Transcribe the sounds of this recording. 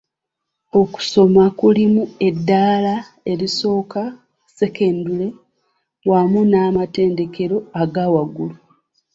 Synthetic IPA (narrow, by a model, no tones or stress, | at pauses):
o̞ku̥so̞makulimue̞dːaːla | e̞ɾiso̞ːka | se̞ke̞ːndule̞ | wamunaːmate̞ːnde̞ke̞ɾo̞aɡawaɡulu